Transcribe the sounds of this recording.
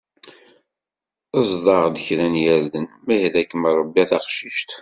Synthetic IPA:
əzˤðˤɑʁd̪əçɾænjæɾðənmæhðækːəmɾˤəbːiæθɑqʃiʃt̪

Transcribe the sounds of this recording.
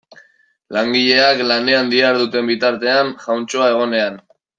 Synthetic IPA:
laŋɡiʎe̞aklane̞and̪iaɾðut̪e̞mbit̪aɾt̪e̞anʝawnt͡ʃoae̞ɣ̞o̞ne̞an

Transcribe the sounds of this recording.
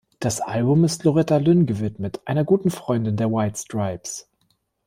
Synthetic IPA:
d̥asʔalbʊmɪstloʁɛtalʏnɡəvɪtmətʔaɪnɐɡuːtn̩fʁ̥ɔʏndɪndeːɐwaɪtstʁ̥aɪps

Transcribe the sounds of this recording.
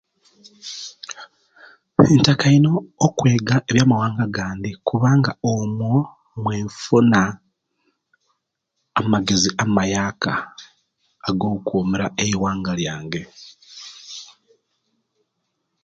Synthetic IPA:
entakaino̞ːkwe̞ːɡaeβjaːmawaːŋɡaɡaːnd̪ikuβaːŋɡaomwo | mweːɱfuna | maɡe̞ziamumajaːkʰa̰ː | ɡoːukoːmeɾaeiwaːŋɡaljaːŋɡe̞

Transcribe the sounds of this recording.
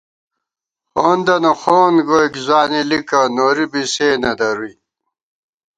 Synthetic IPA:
xoːnd̪ɐnoxoːnɡojkzwaːnilikɐnoɾibiseːnɐd̪ɐɾui

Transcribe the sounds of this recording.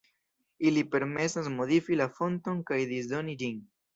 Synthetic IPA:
ilipe̞ɾme̞sasmo̞d̪ifilafo̞nto̞ŋkajd̪iz̬d̪o̞nid͡ʒin

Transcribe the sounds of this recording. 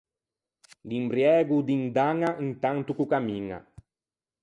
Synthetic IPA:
limbɾjɛːɡud̪ind̪aŋːaʔint̪ant̪ukukamiŋa̰

